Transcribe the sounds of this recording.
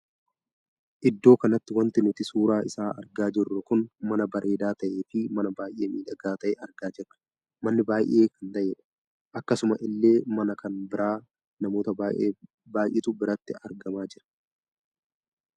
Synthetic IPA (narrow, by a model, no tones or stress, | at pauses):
ʔɪd̪ːo̞ːkɐnɐt̪ːɪwɐnt̪ɪnʊt̪ɪsuːɾaːɪsaːʔɐ̰ɾɡaːd͡ʒɪrːɐkʊnmɐnɐbɐɾʔe̞ːd̪aːt̪ɐʔe̞ːfɪmɐnɐbaːjʔe̞ːmiːᶑɐɡaːt̪ɐʔeːʔɐɾɡaːd͡ʒɪrːɐ̥ | mɐnːɪbaːjʔe̞ːkɐnt̪ɐʔeːᶑɐ̥ | ʔɐkːɐsʊmɐʔɪlːe̞ːmɐnɐkɐnbɪɾaː | nɐmo̞ːt̪ɐaʔe | baːjʔɪt̪ʊbɪɾɐt̪ːɪɐɾɡɐmaːd͡ʒɪɾɐ̥